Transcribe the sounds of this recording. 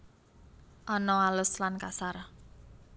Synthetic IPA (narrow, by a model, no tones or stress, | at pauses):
ʔɔnɔalʊslankasar